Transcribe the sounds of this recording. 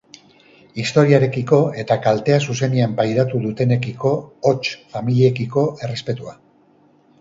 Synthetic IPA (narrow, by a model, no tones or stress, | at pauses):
ist̪o̞ɾiaɾe̞kiko̞e̞t̪akalt̪e̞asuse̞niampajɾat̪uðut̪e̞ne̞kiko̞ːt͡ʃfamiliekiko̞ʔe̞re̞spe̞t̪ua